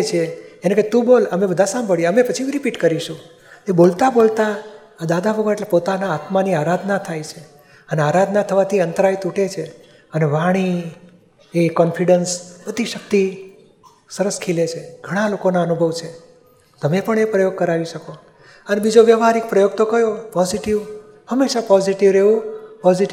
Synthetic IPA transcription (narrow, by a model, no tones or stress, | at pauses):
t͡ʃʰeeneket̪ũboləmebəd̪ʱasãmbʱəɭjeəmepət͡ʃʰiiɾipiʈkəɾiʃũ | ebolt̪abolt̪aː | d̪ad̪abəʋəeʈlepot̪anaːt̪maniaɾad̪ʱnat̪ʰajt͡ʃʰe | əneaɾad̪ʱnat̪ʰəʋat̪ʰiənt̪əɾajt̪uʈet͡ʃʰe | əneʋaɽ̃i | ekɔnfʰiɖənsbəd̪ʱːiʃək̚t̪i | səɾəskʰilet͡ʃʰeɡ̥ʱəɽ̃alokonaənubʱəʋt͡ʃʰe | t̪əmepəɳepɾəjoɡ̚kəɾaʋiʃəko | ənebid͡ʒoʋjəʋɦaɾik̚pɾəjoɡ̚t̪okəjopɔziʈiʋ | həmːeʃapɔziʈiʋɾeʋũpɔziʈ